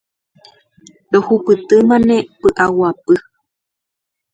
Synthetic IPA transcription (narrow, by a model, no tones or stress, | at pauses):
ɾohupɨt̪ɨmãnẽpɨʔawapɨ